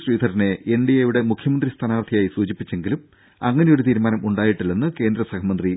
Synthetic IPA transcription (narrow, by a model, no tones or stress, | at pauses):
sriːd̪ʱɐɾineeɳɖijɐjuɽemukʰjɐmɐnd̪rist̪ʰaːnaːrt̪ʰijaːjisuːd͡ʑipːit͡ɕːe̞ŋɡilum | ɐŋːɐne̞jo̞ɾut̪̬iːɾumaːnɐmuɳɖaːjiʈːilːɐnːɨke̞ːnd̪ɾɐsɐkʰɐmɐnd̪ri